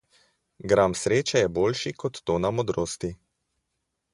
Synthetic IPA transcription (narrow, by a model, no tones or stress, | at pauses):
ɡɾamsɾeːt͡ʃɛjɛboːlʃikɔt̪ːoːnamɔd̪ɾoːst̪i